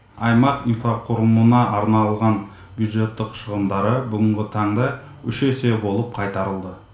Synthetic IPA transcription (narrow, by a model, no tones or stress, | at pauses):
ɑjmɑqinfaqʰʊɾəmənɑʔɑɾnɑlˠʁɑn | bjud̪ʒe̞t̪ːɪqʃəʁəmd̪ɑɾəbʏɡʲɪŋɡʲɪt̪ʰɑɴd̪ɑ | ʏʃese̞bo̞lˠəp̚qʰɑjt̪ɑɾəlˠd̪ə